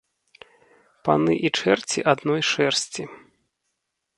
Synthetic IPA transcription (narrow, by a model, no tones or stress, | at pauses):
pa̰nɨʔit͡ʂɛrt͡sʲiʔad̪nɔjʂɛrsʲt͡sʲi